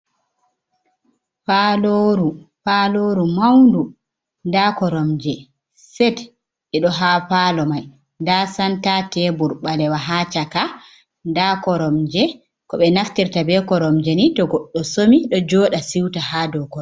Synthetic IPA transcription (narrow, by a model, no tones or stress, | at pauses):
paloɾupaloɾumawndu | ndakɔɾɔmd͡ʒɛ | sɛt | ɛɗɔɦapalɔmaj | ndasantatɛbuɾɓalɛwaɦat͡ʃaka | ndakɔɾɔmd͡ʒɛ | kɔɓɛnaftiɾtabɛkɔɾɔmd͡ʒɛnitɔɡɔɗːɔsomiɗɔd͡ʒɔːɗasiwtaɦaːdɔkɔ